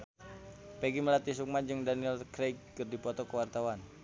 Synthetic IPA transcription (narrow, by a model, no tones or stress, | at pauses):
pɛɡiməlat̪is̬uk̚mad͡ʒɨŋdaniɛlkɾejkːərdipɔt̪ɔkəwart̪awan